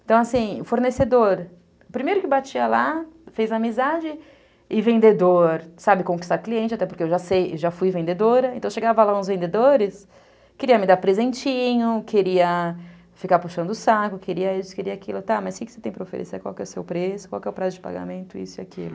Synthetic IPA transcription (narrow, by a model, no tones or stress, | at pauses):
ẽt̪ɐ̃w̃asĩfoɾnesed̪oɾ | ʊpɾimejɾʊkɪewbat͡ʃiɐlafejzamizad͡ʒɪ | ɪvẽnd̪ed̪oɾsabɪkõkist̪aɾkliẽnt͡ʃɪat̪ɛpoɾkeewʒasejewʒafujvẽnd̪ed̪oɾɐẽt̪ɐ̃w̃ʃeɡavɐlaũzvẽnd̪ed̪oɾɪs | keɾiɐmɪd̪aɾpɾezẽnt͡ʃĩɲʊkʰeɾiɐ | fikaɾpuʃɐ̃nd̪ʊʊsakʊkeɾiɐisʊ̥keɾiɐakilʊt̪amɐskɪkɪ̥set̪ẽj̃pɾɐofḛɾḛseakwa̰wkɛʊsewpɾesʊkwa̰wkɛʊwpɾazʊd͡ʒɪpa̰ɡa̰mẽnt̪ʊḭsʊiakḭlʊ